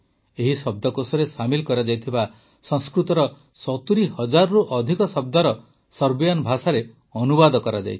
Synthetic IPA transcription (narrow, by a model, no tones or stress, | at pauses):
eɦisɔb̚d̪ɔkosɔɾesamilkɔɾad͡ʒajt̪ʰiba | sɔ̃ŋskɾut̪ɔɾɔ | sɔt̪uɾihɔd͡ʒaɾɔɾuʔɔd̪ʱikɔsɔb̚d̪aɾɔ | sɔɾbijanbʱasaɾe | ɔnubad̪ɔkɔɾad͡ʒa̰jt͡ʃʰi̥